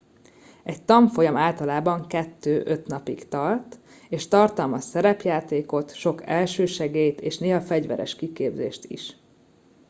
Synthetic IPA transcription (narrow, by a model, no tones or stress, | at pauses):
ɛct̪ɒmfo̞jɒmaːlt̪ɒlaːbɒŋkɛt̪ːøːʔøt̪nɒpikt̪ɒrt̪ | eːʃt̪ɒrt̪ɒlmɒsɛɾɛpjaːt̪eːko̞t̪ʃo̞kɛlʃøːʃɛɡeːjt̪eːʃneːɦɒfɛɟvɛ̰ɾɛ̰ʃkikeːbzḛːʃt̪ḭʃ